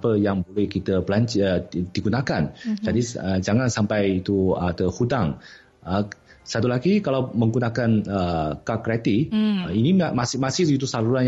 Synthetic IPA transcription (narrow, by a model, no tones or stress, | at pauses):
pəjaŋbolɛhkit̪əpəlant͡ʃəd̥̪iɡunakand͡ʒadiəd͡ʒaŋãnsampajit̪uət̪əhudaŋ | ə | sat̪ulaɡikalawmə̃ŋɡunakanəkakɾɛt̪iinimasmasɪsɡit̪usaɾuɾan